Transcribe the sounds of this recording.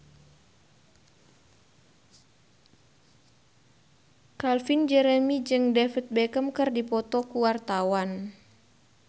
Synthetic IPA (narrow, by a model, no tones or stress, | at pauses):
kalfind͡ʒɛɾemid͡ʒɨŋdɛfit̪̚bɛkəmkərdipɔt̪ɔkuwart̪awan